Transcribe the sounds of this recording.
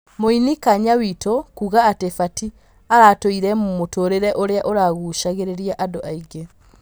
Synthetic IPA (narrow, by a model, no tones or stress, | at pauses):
moinikaɲawitʰokuɣaːtefati | aɾatoiɾɛmomotoɾeɾɛʔoɾeaʔoɾaɣuʃaɣeɾeɾiaʔadoʔaiɡe